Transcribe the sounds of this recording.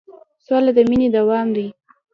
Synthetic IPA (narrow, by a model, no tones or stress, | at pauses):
salad̪əmined̪awɑmd̪i